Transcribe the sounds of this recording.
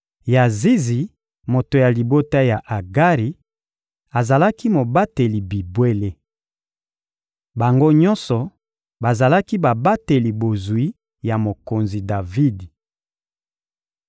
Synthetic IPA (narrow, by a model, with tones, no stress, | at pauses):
ja˨zi˦zi˨ | mo˨to˨ja˨li˨bo˦ta˦ja˨ʔa˨ɡa˦ʁi˨ | a˨za˨la˦ki˦mo˨ba˦te˨li˨bi˨bwe˦le˦ | ba˨ŋɡo˦ɲɔ˦nsɔ˨ | ba˨za˨la˦ki˦ba˨ba˦te˨li˨bo˨zwi˦ | ja˨mo˨ko˨nzi˨da˨vi˦d